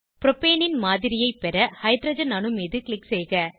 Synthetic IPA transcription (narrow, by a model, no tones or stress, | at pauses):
pɾɔpeːnɪnmaːðɪɾɪjɐɪpɛɾɐhɐɪd̪ɾɐd͡ʒɐnɐnɯmiːðɯkɭɪksɛjɣɐ